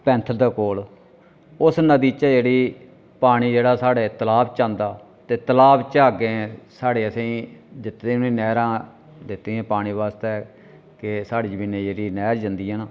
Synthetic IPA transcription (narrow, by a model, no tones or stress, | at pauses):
pɛ̃ːnt̪ʰəld̪aːkoːl | ʊsnəd̪iːt͡ʃɛːd͡ʒeːɽiː | paːɽ̃iːd͡ʒeːɽaːsaːɽeːt̪əlaːbt͡ʃãːnd̪aː | t̪eːt̪əlaːbt͡ʃaːɡeːsaːɽeːəsĩːd͡ʒɪt̪ːẽːnĩːnɛːɾãː | d̪ɪt̪ːeːɛ̃ːpaːɽ̃ĩːʋaːst̪ɛː | kɪsaːɽiːd͡ʒəminːeːd͡ʒeːɽiːnɛːɾd͡ʒãnd̪iːanː